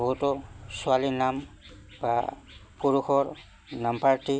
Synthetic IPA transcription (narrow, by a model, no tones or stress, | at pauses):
bɔɦutɔsualinambapuɹuxʰɔɹ | nampaɹti